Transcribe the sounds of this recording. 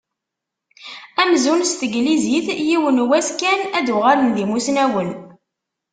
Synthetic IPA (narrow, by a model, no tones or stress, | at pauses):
æmzunst̪əɡliziθjiwənwæskænæd̪uʁaɾənðimusnæwən